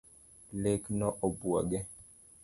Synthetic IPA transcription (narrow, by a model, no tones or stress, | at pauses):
leknɔʔɔbua̰ɡɛ